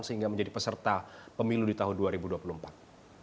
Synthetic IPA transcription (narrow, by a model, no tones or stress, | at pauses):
nsəhiŋɡaməɲd͡ʒadipəsərt̪apəmiludit̪aɦʊnduaɾibuduapulumpat̪̚